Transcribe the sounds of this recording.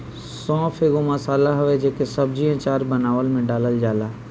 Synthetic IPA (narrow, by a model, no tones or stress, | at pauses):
sɔ̃ːfʰeɡomɐsaːlaɦɐʋed͡ʒekesɐb̚d͡ʒiɛ̃t͡ʃaːɾbɐnaːʋəlmẽɖaːləld͡ʒaːlaː